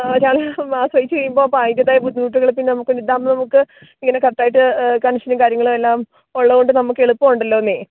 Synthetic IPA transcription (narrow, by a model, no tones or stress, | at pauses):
t͡ɕaːɭmaːsʋɐjit͡ɕːt͡ɕejːumbo̞ːpaːjitːiɐðaːjɐbʱud̪ʱːinuːʈːuɣɐɭɨpːinːnɐmukːoɳɖid̪ːaːmbɐnɐmukːɨ | iŋːɐne̞kɐt̪ːaːjiʈːɨkɐɳɐʂɐnɐkaːɾjɐŋːɐɭumelːaːm | oɭːɐkoɳɖɨnɐmukːe̞ɭupːɐːuɳɖɐlːo̞ːnːeː